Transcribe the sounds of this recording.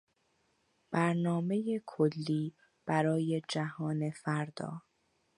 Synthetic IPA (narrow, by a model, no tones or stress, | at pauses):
b̥æɾnɒːme̞jekʰolːiː | b̥æɾɒːje̞d͡ʒæɦɒːne̞fæɾd̪̥ɒ̰ː